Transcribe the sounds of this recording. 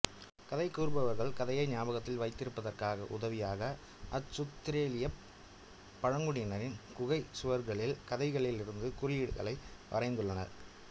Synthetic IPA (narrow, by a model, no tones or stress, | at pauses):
kɐðɐɪkːuːɾbɐʋɐɾɣɐɭkɐðɐjɐɪnjaːbɐɣɐt̪ːɪlʋɐɪt̪ːɪɾɯpːɐðɐrkaːɣɐ̰ʔʊ̰ðɐʋɪjaːɣɐ | ʔɐt͡ʃːʊt̪ːɪɾeːlɪjɐ | pːɐɻɐŋɡɯɽɪjnɐɾɪnkʊɣɐɪsʊʋɐɾɣɐɭɪlkɐðɐɪɣɐɭɪlɪɾɯnd̪ɯkʊɾɪjɪɽɣɐ̰ɭɐɪʔɐ̰rɐɪnd̪ɯɭːɐnɐ̰ɾ